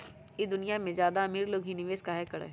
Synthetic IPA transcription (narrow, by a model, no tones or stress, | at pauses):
jid̪ʊnijamẽzjaːd̪aɐmiːɾloːɡɦinɪʋeːskaːɦekɐɾḛː